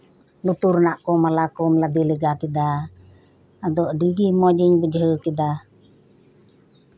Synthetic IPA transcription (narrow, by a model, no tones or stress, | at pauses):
nut̪uɾnaʔkɔmalakɔmlad̪iləɡakid̪a | d̪ɔʔɖiɡimɔd͡ʒiɲbəd͡ʒɦəkid̪a